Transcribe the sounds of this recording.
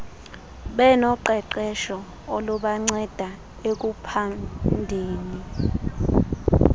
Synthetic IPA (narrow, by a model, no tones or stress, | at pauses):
ɓɛnɔǃɛǃɛʃɔ | oluɓaŋ͡ǀɛd̥ʱa | ek̬upʰandʱeːni